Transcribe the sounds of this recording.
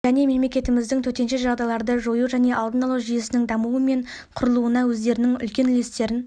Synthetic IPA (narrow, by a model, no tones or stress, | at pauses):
ʒæne̞me̞mlekʲe̞t̪ɪmɪzd̪ɪŋt̪ʰɵt̪e̞nʃe̞ʒɑʁd̪ɑjlˠɑɾd̪əʒojuʒæne̞ʔɑlˠd̪ənɑlˠɑʒijesɪnɪŋd̪ɑmuwəme̞ɴ | qʰʊɾəlˠuənɑwɵzd̪e̞ɾɪnɪŋʏ̰lkʲe̞nlest̪e̞ɾɪn